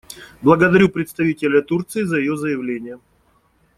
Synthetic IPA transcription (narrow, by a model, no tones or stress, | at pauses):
blˠəɡəd̪ɐɾʲupɾʲɪt̪st̪ɐvʲitʲɪlʲət̪urt̪sɨɪzəjɪjozəjɪvlʲenʲɪjə